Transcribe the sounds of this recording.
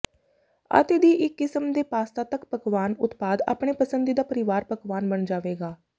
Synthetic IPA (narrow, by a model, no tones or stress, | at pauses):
ə̰t̪eːd̪iːʔɪkːɪsəmd̪eːpaːst̪aːt̪əkpəkʋaːnʊt̪paːd̪a̰ːpɳeːpəsənd̪iːd̪aːpəɾɪʋaːɾpəkʋaːnbəɳd͡ʒaːʋeːɡaː